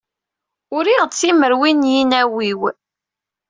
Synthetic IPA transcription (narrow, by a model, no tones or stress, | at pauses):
ʊɾiʁt͡sːiməɾwinjinæwiw